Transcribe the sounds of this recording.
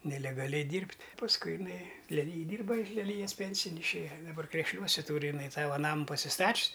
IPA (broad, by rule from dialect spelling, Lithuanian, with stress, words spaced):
nʲɛlʲɛɡɐˈlʲɛɪ ˈdʲiːrʲpʲtʲ pɐsˈkʊɪ ɪˈnɐɪ lʲɛˈlʲiːjɪj ˈdʲiːrbɐ ɪr lʲɛˈlʲiːjɛs ˈpʲɛnʲsʲɪjɪn ɪʃʲˈeːjɛ dɐˈbɐr krʲɛʃʲˈlʲuɔsʲɛ ˈtuːrʲɪ ɪˈnɐɪ ˈsɑːʋoː ˈnɑːmʊ pɐsʲɪˈstɑːt͡ʃʲɪs